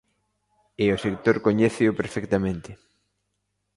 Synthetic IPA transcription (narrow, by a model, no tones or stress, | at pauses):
ɪosekt̪oɾkoɲɛθɪʊpeɾfɛkt̪amẽnt̪ɪ